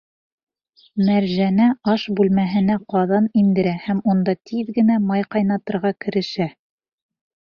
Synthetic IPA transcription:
mæɾʒænæɑʃbʉlmæɦɘ̆næqɑðɑnind̪ɘ̆ɾæhæmund̪ɑt̪ʰiðɡɘ̆næmɑjqɑjnɑt̪ɤ̆ɾʁɑkɘ̆ɾɘ̆ʃæ

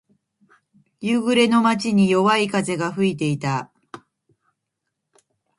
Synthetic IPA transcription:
jɯɡɯ̟ɾe̞no̞mat͡ɕiɲ̟ijo̞βaikaze̞ɡaɸɯ̟it̪̬e̞it̪a

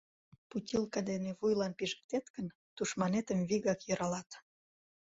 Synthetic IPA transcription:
putʲilkɑd̪eneβujlɑnpiʒə̥̆k̚t̪et̪kən | t̪uʃmɑnet̪əmβiɣɑkjøɾɑlɑt̪

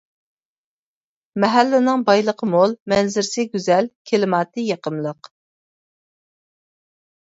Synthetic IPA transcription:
mɛɦælːɪnɪŋbɑjlˠəqʰəmolˠmɛnzɪɾsɪɡʲyzɛlkʲʰelɪmɑːt̪ʰɨjɑqəmlˠəq

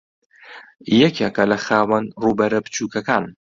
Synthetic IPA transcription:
jɛkekɐlɐxaːwɐnruːbɐɾɐbɨt͡ʃʰuːkɐkaːn

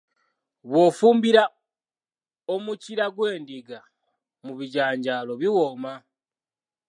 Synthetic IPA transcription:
βwo̞fuːmbiɾa | omuciɾaɡwe̞ːndiɡa | muβiɟaːɲɟaːlo̞βiwoːma

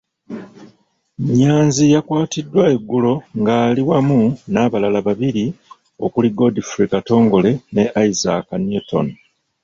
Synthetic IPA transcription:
ɲaːnzijakwaːtidːwae̞ɡːulo̞ŋɡaːliwamunaːβalalaβaβiɾi | o̞̰kuliɡo̞difɾikato̞ːŋɡo̞le̞ne̞ʔaiza̰kanjuto̰n

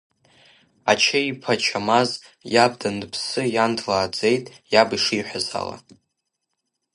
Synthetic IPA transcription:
at͡ʃʰaipʰat͡ʃʰamazjab̚dandpʰsɨjandʰlaːd͡ze̞jtʼjabiʂijħʷᶣaza̰la̰

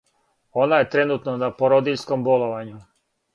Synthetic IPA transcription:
o̞naje̞t̪ɾe̞nuːt̪nonapoɾod̪iʎskomboloʋaɲu

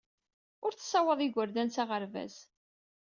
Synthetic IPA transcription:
ʊɾθsɑwəðˤiɡʷəɾd̪ænt͡saʁəɾvæ̰z

